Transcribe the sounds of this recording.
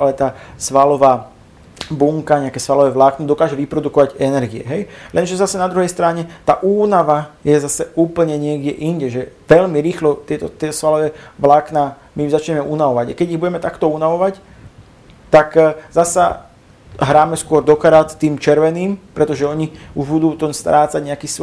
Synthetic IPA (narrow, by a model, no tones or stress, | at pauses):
a̰lɛt̪aːsʋalɔʋaː | buŋkaɲɛakɛːsʋalɔʋɛːʋlaknɔd̪ɔkaːʒɛʋipɾɔd̪ukɔʋaɟɛnɛɾɡiɛ̰ɦɛjlʔɛnʒɛzasɛnad̪ɾuɦɛjst̪ɾaɲɛt̪aːʔuːnaʋajɛzasɛuːpl̩ɲɛɲɪɛɡɟɛʔiɲɟɛʒɛʋɛʎmiɾiːxlɔt̪ɪɛt̪ɔt̪ɪɛt̪ɔsʋalɔʋɛːʋlaknaː | mizat͡ʃɲɛmɛʔunaʋɔʋaɟakɛɟiɣbuɟɛmɛt̪akt̪ɔunaʋɔʋac | t̪akzasa̰ | ɦɾaːmɛskʊɔɾd̪ɔkaɾat̪t̪iːmt͡ʃɛɾʋɛniːmpɾɛt̪ɔʒɛɔɲiuʒbud̪uːt̪ɔnst̪ɾaːt͡saɟɲɛakiːs